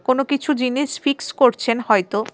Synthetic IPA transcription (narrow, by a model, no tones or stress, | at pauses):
konokit͡ɕʰud͡ʑiniʃfikskoɾt͡ɕʰenɦɔjt̪o